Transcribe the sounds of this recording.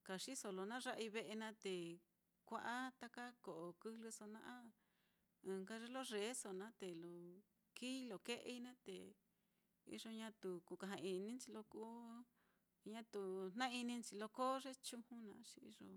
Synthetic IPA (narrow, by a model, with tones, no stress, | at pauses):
ka˨ʂi˦so˧lo˧nã˦ʐa˦ʔi˧βe˧ʔe˧nã˧˦t̪e˨ | kʷa˧ʔa˦t̪a˦ka˦ko˨ʔo˨˧kɨ˦hlɨ˧so˧nã̰˧ʔã˦ | ɨ̃˨ŋka˦˧ʐe˦lo˦ʐe˨˦so˨nã˨˦t̪e˨lo˨ | kiː˦˧lo˨ke˦ʔḛ˧i˧˦nã˦t̪ḛ˨ | ḭ˧ʐo˧ɲã˧t̪u˨ku˨ka˧ɦã˧i˧nĩ˦t͡ʃi˧lo˧ku˦˧ | ɲã˦t̪u˨n̥nã˦i˧nĩ˧nt͡ʃi˧lo˧ko˦ʐe˦t͡ʃu˧hũ˦nã˧˦t͡ʃi˧ḭ˧ʐo̰˧